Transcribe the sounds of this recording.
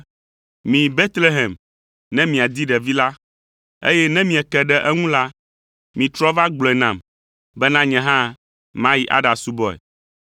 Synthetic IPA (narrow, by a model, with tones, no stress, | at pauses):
mĩ˨be˦t̪le˦ɦɛ˨m | nɛ̃˦mĩ˨a˨d̪i˦ɖɛ˨vi˦la˦ | ḛ˦jɛ˦nɛ̃˦mĩ˨ɛ˨kɛ˨ɖɛ˦ʔɛ˦ŋũ˦la˦ | mĩ˨t̪ɾɔ˦va˦ɡ͡blɔ˨ɛ˨nã˨m | bɛ˦nã˦ɲɛ̃˨ɦã˦ | mã˦ji˦ʔa̰˦ɖa˨su˦bɔ˦ɛ̰˨